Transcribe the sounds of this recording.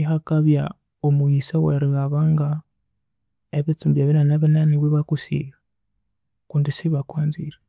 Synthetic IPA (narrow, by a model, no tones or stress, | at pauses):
ihakaβja | omuisaweɾiɣaβaŋɡa | eβit͡sumbjaβinanaβinaniβwiβakusḭːɣa | kuːndisiβakwaːnziɾa